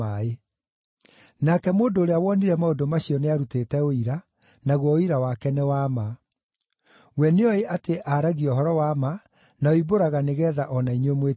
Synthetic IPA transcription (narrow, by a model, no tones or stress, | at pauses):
ae | nakɛmoːndoːɾeawɔniɾɛmaodomaɕiɔneaɾuteːtɛoiɾa | naɣwɔiɾawakɛnɛwama | wɛneɔeʔateʔaɾaɣiɔɦɔɾɔwama | naoiboɾaɣaneɣɛːðaʔɔnaiɲwemwe